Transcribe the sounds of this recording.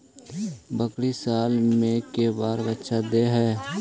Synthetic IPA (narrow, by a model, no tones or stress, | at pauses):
bəkɽisaːlmẽkebaːɾbətːʃʰad̪eɦɛː